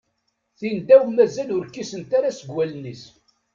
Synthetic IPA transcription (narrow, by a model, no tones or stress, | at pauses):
θind̪æwmæzælʊɾkːisənt̪aɾasəɡwælnis